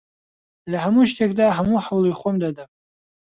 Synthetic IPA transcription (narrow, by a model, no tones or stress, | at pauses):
lʲaħamuʃtʲʰʼakʼdaːħamuħawlijχʷʊmdadapʼ